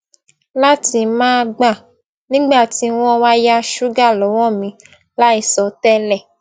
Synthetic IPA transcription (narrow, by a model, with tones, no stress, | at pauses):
la˦ti˧mãː˦ɡ͡ba˦˨ | nĩ˦ɡ͡ba˦˨ti˨˦w̃ɔ̃˦wa˦ja˦ʃu˦ɡa˦˨lɔ˨˦w̃ɔ̃˦˨mĩ˨˧ | la˦i˦˨sɔ˧tɛ˦lɛ˦˨